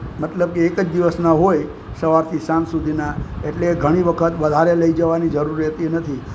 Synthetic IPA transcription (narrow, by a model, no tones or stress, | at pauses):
mət̪ləb̚keːkəd͡ʒd̪iʋəsnaɦoj | səʋaɾt̪ʰisansud̪ʱinaeʈleɡʱəɽ̃iʋəkʰət̪ʋəd̪ʱaɾeləid͡ʒəʋanid͡ʒəɾuɾət̪inət̪ʰi